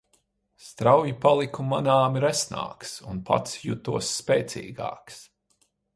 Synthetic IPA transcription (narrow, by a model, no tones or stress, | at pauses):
st̪ɾawjipalˠikumanaːmɾɛsna̰ːksunpʰa̰t̪sjut̪uɔsːpʲɛːt̪sḭːɡa̰ːks